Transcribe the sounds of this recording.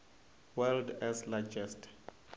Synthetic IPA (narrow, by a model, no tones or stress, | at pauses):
wɛldɛslad͡ʒɛst